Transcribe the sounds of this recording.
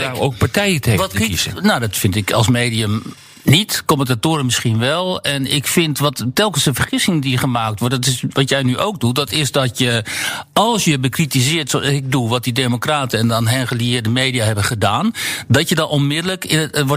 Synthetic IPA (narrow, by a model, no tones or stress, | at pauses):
oːk̚paɹtɛjəteʋɔtnawdɔtfɪntɪkʰɔ̰lˠsmeːdiəm | nitkoməntatoːɾəmɪsχinʋɛlˠɛnɪ̰kfɪntʋɔtːɛlˠkənsəfərχɪsɪŋədiχəmaːk̚tʋɔrtdɔtɪsʋɔtjɛjnyʔowk̚dutdɔtɪsdɔtjəɑlˠsjəɛbəkritizɪərtsoɪk̚duʋɔt̚dideːmokraːtəɛndɔnɦɛnχəliɪːrdəmeːdiaɦɛbəχədaːndɔtjədɔnonmɪdələkɪʋɔ